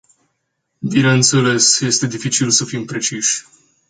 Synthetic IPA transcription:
bineɨnt̪sele̞sje̞st̪e̞d̪ifit͡ʃilsəfimpɾe̞t͡ʃiʃʲ

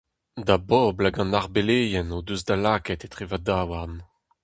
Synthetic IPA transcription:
d̪abɔblaɡɑ̃naʁbeleːjɛnod̪øzd̪alaːkɛt̪et̪ʁevadaːwaʁn

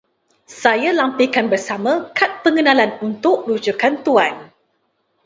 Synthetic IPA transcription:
sajalampikanbərsamãkat̪̚pəŋənãlanunt̪ʊʔ̚ɾud͡ʒukant̪uan

